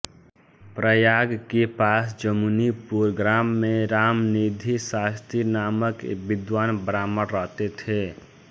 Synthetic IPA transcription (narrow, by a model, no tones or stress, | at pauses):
pɾəjaɡkepasd͡ʒəmunipuɾɡɾamːeɾamnid̪ʱisast̪inaməkbɪd̪ʋaːnbəɾaməɾːəɦt̪et̪ʰe